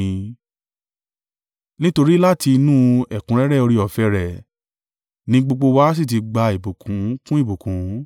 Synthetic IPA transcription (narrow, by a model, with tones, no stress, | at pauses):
nĩ˦to˧ɾi˦la˦ti˧nũ˦ɛ˦˨kũ˨˦ɾɛ˦ɾɛ˦˨o˧ɾi˧ɔ˨fɛ˧˦ɾɛ˨ | nĩ˧˦ɡ͡bo˧ɡ͡bo˧wa˦s̬i˦˨t̬i˧ɡ͡ba˧i˨bo˨kʰũ˨˦kũ˦i˦˨bu˨kũ˨˦